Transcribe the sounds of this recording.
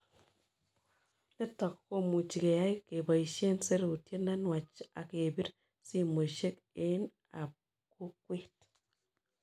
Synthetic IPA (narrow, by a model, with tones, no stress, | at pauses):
ne˦tɔ˨kko˦mu˨t͡ʃi˨ke˨ja˦jke˨ba˨i˨ʃe˦nse˦ɾu˨tje˦na˦nwa˨t͡ʃa̰˨ke˨bi˦ɾ | si˦mo˨ʃe˦k | e˦n | a˨p̚ | ku˦kwe˦t